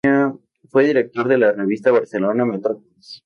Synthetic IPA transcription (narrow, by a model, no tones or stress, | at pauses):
a | fwe̞ðiɾe̞k̚t̪o̞ɾðelareβ̞ist̪aβaɾse̞lonamet̪ɾokt̪is